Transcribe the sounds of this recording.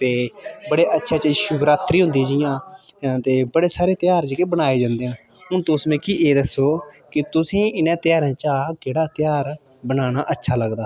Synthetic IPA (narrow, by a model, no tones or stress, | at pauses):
t̪eːbəɽeːʔətːʃʰaːt͡ʃəʃʊbɾaːt̪ɾiːɦʊ̃nd̪iːd͡ʒɪjãːt̪eːbəɽeːsaːɾeːt̪ɪjaːɾd͡ʒekebənaːeːd͡ʒãːnd̪eːãː | ɦʊnt̪õʊsmẽːkiːʔeːd̪əsːoːkɪt̪ʊsĩːɪnẽːt̪ɪjaːɾãːt͡ʃaːkeːɽaːt̪ɪjaːɾ | bənaːnaːʔətːʃʰaːləɡd̪aː